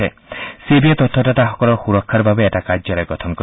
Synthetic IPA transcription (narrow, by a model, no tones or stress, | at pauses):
e | sebiat̪ɔt̪ʰːɔʈataɦɔkɔɾɔxuɾɔkʰːaɾbʱabeːʈakad͡ʒɔɾeɡɔt̪ʰɔnkɔ